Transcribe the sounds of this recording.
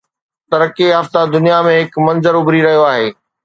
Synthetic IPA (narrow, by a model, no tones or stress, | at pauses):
t̪ɐɾkeɦɐft̪ad̪ʊnijamẽɦɪkmɐ̃nzəɾʊbɾiɾɐɦijoaːɦeː